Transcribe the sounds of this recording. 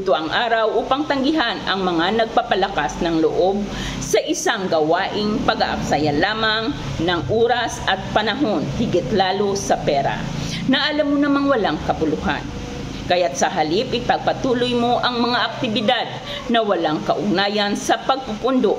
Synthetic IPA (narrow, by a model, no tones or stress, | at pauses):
t̪oʔɐŋʔaːɾɐwʔuːpɐŋt̪ɐŋɡɪɦanɐŋmɐŋanɐɡ̚papɐlɐkasnɐŋloʔob̚ | sɐʔɪsaŋɡɐwaːʔɪŋpɐɡa̰ʔɐ̰ksajɐnlaːmaŋ | nɐŋʔoːɾɐsɐt̪̚pɐnɐɦo̞nhɪɡɪt̪laːlo̞sɐpɛːɾa̰ | nɐʔɐlamːonɐmaŋwɐlaŋkɐbʊlʊɦa̰n | kɐjat̪̚sɐɦɐlipʔɪpɐɡ̚pɐt̪uːlʊjmo̞ʔɐŋmɐŋaʔɐk̚t̪ɪbɪd̪ad̪̚ | nɐwɐlaŋkɐʔʊɡ̚naːjɐnsɐpɐɡ̚pʊpʊnd̪oʔ